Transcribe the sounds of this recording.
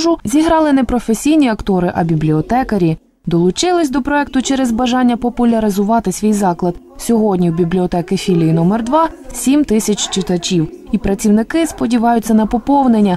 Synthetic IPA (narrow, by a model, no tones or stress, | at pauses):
ʒʊzʲiɦɾɑlˠɪnɛpɾɔfesʲijnʲiɐkt̪ɔɾɪʔɐbʲiblʲiɔt̪ɛkɐɾʲi | d̪ɔlˠʊt͡ʃɪlˠɪsʲd̪ɔpɾɔɛk̚t̪ʊt͡ʃɛɾɛzbɐʒɑnʲːɐpɔpʊlʲɐɾɪzʊʋɑt̪ɪsʲʋʲijzɑklˠɐd̪ | sʲɔɦɔdʲnʲiwbʲiblʲiɔt̪ɛkɪfʲilʲijinɔmɛrd̪ʋɑsʲimt̪ɪsʲɐt͡ʃʲt͡ʃɪt̪ɐt͡ʃʲiwipɾɐt͡sʲiwnɪkɪspɔdʲiʋɑjʊt͡sʲːɐnɐpɔpɔwnenʲːɐ